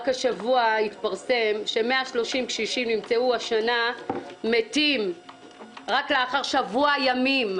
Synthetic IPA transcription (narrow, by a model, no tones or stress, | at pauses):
kaʃavuait̪paʁse̞mʃe̞meaʃlo̞ʃimʃiʃimnimt͡seuaʃanametim | ʁakleaχaʁʃavuajamim